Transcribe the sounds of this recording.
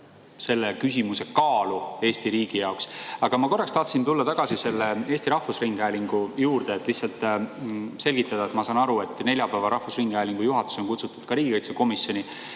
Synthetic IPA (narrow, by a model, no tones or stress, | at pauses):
se̞lːe̞kysʲimuse̞kɑːlue̞ːst̪iɾiːɡ̥ijɑoksɑɡ̥ɑmɑko̞rːɑkst̪ɑht̪sint̪ulːɑt̪ɑɡ̥ɑsise̞lːeeːst̪iɾɑhfusriŋɡ̥ælʲiŋɡ̥ujuːɾd̪̥eːt̪ːˑlihtsɑlt̪ˑ | se̞lʲɡ̥it̪ːˑɑd̪ɑet̪mɑsɑːnɑɾue̞t̪ːˑne̞ljɑpæːvɑɾɑhfusriŋɡ̥æjliŋɡ̥ujuɦɑt̪ːˑu̥so̞nkut̪sut̪ːˑud̪̥kɑɾiːɡ̥ikɤjt̪seko̞misjo̞nʲi